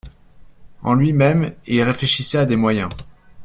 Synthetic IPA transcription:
ɑ̰̃lɥimɛmilʁefleʃisɛad̪emwajɛ̃

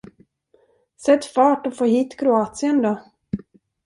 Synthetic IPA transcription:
sɛt̪ːfɑːʈɔfoːɦiːt̪kʰɾʊɑːt̪sɪənd̪ɔ

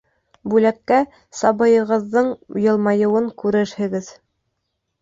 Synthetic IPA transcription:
bʉlækːæ | sɑbɤ̆jɤ̆ʁɤ̆ðːɤɴjɤ̆lˠmɑjɤ̆wɤŋkʉɾɘɾhɘ̆ɡɘð

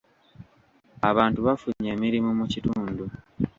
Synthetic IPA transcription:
aβaːntuβafuɲːeːmiɾimumucituːndu

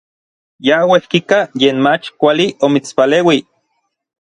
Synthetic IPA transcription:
jawehkikajeːnmat͡ʃkʷaliʔomit͡spaleːwi

